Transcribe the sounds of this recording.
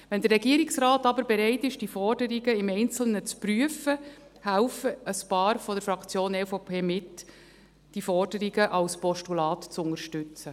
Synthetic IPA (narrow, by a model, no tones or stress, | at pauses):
ʋɛnd̪əɾɛɡiəɾɪksraːtɑbəɾbɛɾɛɪtɪʃd̥ifɔrdəɾiɡəɪmɛɪnt͡sl̩nət͡spryəfə | hælfəəspɑːɾfɔd̥əɾfɾɑkt͡sjoːnɛfopʰeːmɪt | d̥ifɔrdəɾiɡəʔɑlspɔʃtulɑːtt͡sʊŋəɾʃtʏt͡sə